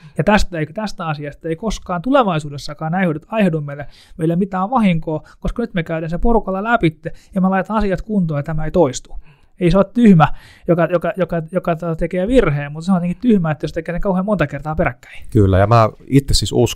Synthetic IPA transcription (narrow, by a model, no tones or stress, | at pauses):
jɑt̪æst̪æeikt̪æst̪æɑsiɑst̪ɑeikoskɑːnt̪uleʋɑisuːdesːɑkɑːnæihodet̪ɑihedumːeilːæ | meilːæmit̪æːʋʋɑhiŋkoːkoskɑnyt̪mekæydænseporukɑlːɑlæpit̪ːejɑmelɑit̪ɑnɑsiɑt̪kunt̪oːjɑt̪æmæeit̪oist̪u̥ | eiseot̪t̪yhmæ | jokɑjokɑjokɑjokɑt̪oɑt̪ekeːʋirheːmmut̪seonjeteŋkit̪t̪yhmæet̪ːjost̪ekeːseŋkɑuheːmont̪ɑkert̪ɑːperækːæ̥ikylːæ̰jɑmæit̪ːesisus